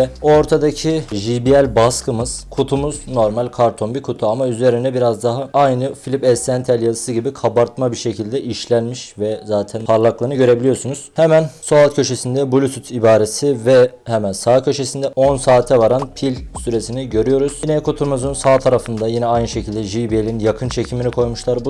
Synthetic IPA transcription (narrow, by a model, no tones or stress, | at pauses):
ɛo̞ɾt̪ʰad̪acʰiʒibiælʲbaskʰɯmɯz̥kʰut̪ʰumuzno̞ɾmalʲkʰaɾt̪ʰo̞nbikʰut̪ʰuamayze̞ɾind̪ɛbiɾazd̪aɦaajnɯfilʲipɛst̪ænt̪ʰælʲjazɯsɯɟibikʰabaɾt̪mabiɾʃe̞cʰilʲd̪ɛʔiʃlʲænmiʃvɛzaːt̪ʰænpʰaɾlˠaklˠanɯɟø̞ɾe̞bilʲijo̞ɾsunuz̥hemænso̞at̪cʰø̞ʃe̞sind̪ɛbulʲusʰyt̪ʰibaːɾe̞sivɛ | hɛmænsaːcʰø̞ʃe̞sind̪ɛʔo̞nsaːt̪ʰɛvaɾanpʰilʲsyɾe̞siniɟø̞ɾyjo̞ɾuz̥jinɛkʰut̪ʰumuzɯnsaːt̪ʰaɾafɯnd̪ajinɛajnɯʃe̞cʰilʲd̪ɛʒibielʲinjakʰɯnt͡ʃʰe̞cʰiminikʰo̞jmuʃlˠaɾb